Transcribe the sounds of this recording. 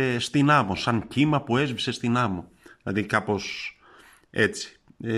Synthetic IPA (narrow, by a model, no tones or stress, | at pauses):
est̪inɐmosɐɲcimɐpue̞zvise̞st̪inɐmo | ðilɐ̰ðikɐpo̞s | e̞t͡si̥